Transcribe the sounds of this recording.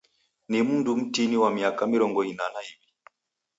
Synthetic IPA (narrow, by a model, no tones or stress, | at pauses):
nim̩ndum̩tiniwamiakamiɾɔŋɡɔinanaivi